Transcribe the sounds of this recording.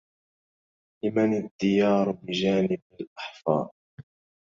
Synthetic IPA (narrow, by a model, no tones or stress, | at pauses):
lɪmanad̪ːɪjɑːɾˤbɪd͡ʒaːnɪbalʔaħfɑ̰ːʔ